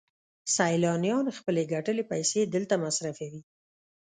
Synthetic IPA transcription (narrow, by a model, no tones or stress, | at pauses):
sajlɑnjɑnxpəleɡaʈəlepajsed̪əlt̪amasɾafewi